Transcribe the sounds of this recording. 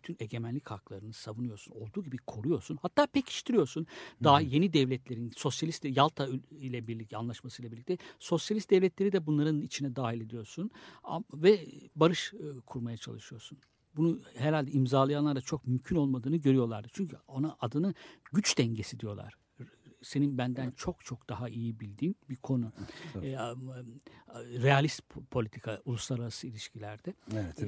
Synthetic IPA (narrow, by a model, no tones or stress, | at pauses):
byt̪ʰyne̞ɟe̞mænlʲichaklˠaɾɯnɯsavunujo̞ɾsuno̞lˠd̪uːɟibikʰo̞ɾujo̞ɾsunhat̪ʰːaːpʰɛcʰi̥ʃt̪ʰiɾijo̞ɾsund̪aje̞nid̪ɛvlʲɛt̪ʰlʲe̞ɾinso̞sjalʲist̪ʲejalˠt̪ʰailʲɛbiɾlʲicanlˠaʃmasɯjlˠabiɾlʲict̪ʰɛso̞sjalʲist̪d̪ɛvlʲɛt̪lʲe̞ɾid̪ɛbunlˠaɾɯnit͡ʃʰinɛd̪aːɦilʲe̞d̪ijo̞ɾsuna̰vɛbaɾɯʃkʰuɾmajat͡ʃʰa̰lˠɯʃɯjo̞ɾsun | bunuɦɛɾalʲd̪ɛimzaːlˠajanlˠaɾd̪at͡ʃʰok̚mymcʰyno̞lˠmad̪ɯːnɯɟøɾyjo̞lˠa̰ɾd̪ɯt͡ʃʰyɲcʰyo̞naʔad̪ɯnɯɟyt͡ʃd̪ɛɲɟe̞sid̪ijo̞lˠa̰ɾ̥ | se̞ninbænd̪ænt͡ʃʰo̞k̚t͡ʃʰo̞k̚d̪̥aɦaʔijibilʲd̪iːnbikʰo̞nu | ɾealʲist̪pʰo̞lʲit̪ʰikʰaulˠuslˠaɾaɾasɯilʲiʃcilʲæɾd̪̥ɛ